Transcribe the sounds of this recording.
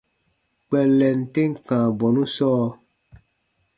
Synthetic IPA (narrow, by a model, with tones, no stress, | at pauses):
k͡pɛ˨lɛ˨n̩˨te˦ŋ̩˦kãː˨bɔ˨nũ˦sɔː˦